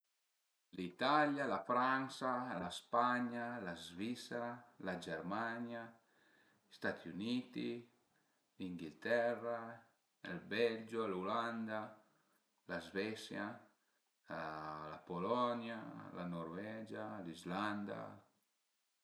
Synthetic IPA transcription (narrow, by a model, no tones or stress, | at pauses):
lit̪aljalafɾansalaspaɲalazvisɾalad͡ʒɛrmaɲja | ist̪at̪iunit̪i | liŋɡilt̪ɛrːa | ɛlbɛld͡ʒoluland̪a | lazvɛsja | lapolɔnjala̰noɾvɛd͡ʒalizland̪a̰